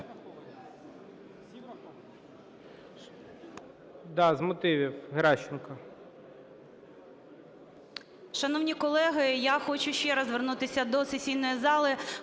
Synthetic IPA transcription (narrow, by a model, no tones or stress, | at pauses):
d̪ɑzmɔt̪ɪʋʲiwɦɾɑʃɪnkɐ | ʃɐnɔwnʲikɔlˠɛɦɪjaxɔt͡ʃʊʃt͡ʃɛɾɐzʋernut̪ɪsʲɐd̪ɔsesʲijnɔjizɑlˠɪ